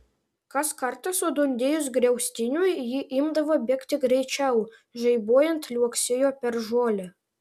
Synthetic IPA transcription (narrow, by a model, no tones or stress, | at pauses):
kɑskɑrt̪ɑsod̪unʲd̪ʲejʊs̬ɡɾʲɛwsʲt̪ʲinʲujjiʔimd̪ɐʋobʲekt̪ʲɪɡrʲɛjt͡ʃʲɛw | ʒɛjbojɪnt̪lʲuɔksʲɪjopʲɛrʒoːlʲɪ